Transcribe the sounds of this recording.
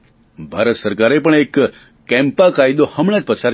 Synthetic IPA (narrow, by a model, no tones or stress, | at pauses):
bʱaɾət̪səɾkaɾepəɳ̃ekː | ɛ̃mpakajd̪ohəmɽ̃ad͡ʒpəsʰaɾ